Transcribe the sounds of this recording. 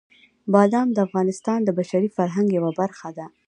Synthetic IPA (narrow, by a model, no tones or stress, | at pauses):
bɑd̪ɑmd̪əafɣɑnɪst̪ɑnd̪əbaʃaɾifaɾɦaŋɡjawabaɾxad̪a